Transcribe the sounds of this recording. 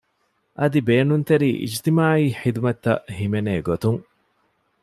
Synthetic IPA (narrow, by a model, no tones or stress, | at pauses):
ʔɐd̪ibeːnunt̪eɾiːʔḭd͡ʒt̪imaːiːħid̪umɐt̪ːɐʔhimeneːɡot̪uŋ